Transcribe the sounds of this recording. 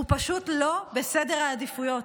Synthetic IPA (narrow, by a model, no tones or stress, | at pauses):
upaʃutlo̞be̞sede̞ʁaːdifujo̞t